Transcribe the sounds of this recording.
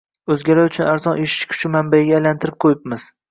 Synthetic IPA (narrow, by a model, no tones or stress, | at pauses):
ɵzɡʲaɾaʊt͡ʃʰʊnaɾzɒnʔeʃɪ̥ʃkʲʰʊ̥t͡ʃʰɪmambaɪɡʲaajlant̪ʰɪɾɪp̚qʰojɪpmɪz̥